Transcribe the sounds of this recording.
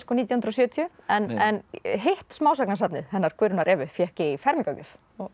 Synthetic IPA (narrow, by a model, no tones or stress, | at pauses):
skɔnit̪jahʏnɾɔs̬jœːt̪ʰiʏɛnɛnɦeht̪smaːwsaknasap̪nɪðhɛnːaɾ̥kvʏɾʏnaɾʔɛːvʏfjɛhcɪifɛɾmiŋkawcʏf